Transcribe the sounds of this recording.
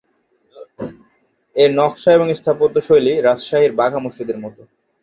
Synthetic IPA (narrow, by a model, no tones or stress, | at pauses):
eɾnɔkʃaeboŋist̪ʰapot̪oʃojliɾad͡ʑʃaɦiɾbaɡʱamuʃid̪eɾmɔt̪o